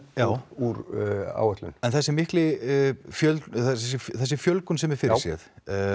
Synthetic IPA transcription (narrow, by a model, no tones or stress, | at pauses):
jaːwuɾa̰ːwɛht̪lʏ̰nɛnθɛsɪmːɪhklɪfjœlɛs̬ɪθɛsːɪfjœlkʏnsɛmɛɾ̥fɪɾɪsjɛ̰θ